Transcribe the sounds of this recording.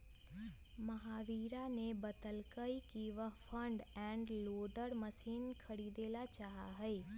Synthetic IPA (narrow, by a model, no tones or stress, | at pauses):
məɦaːʋiːɾanebət̪əlkəikiʋəpʰə̃ɳɖɛ̃ːɳɖloːɖəɾməsʰiːnkʰəɽid̪eːlat͡ʃaːɦaɦəe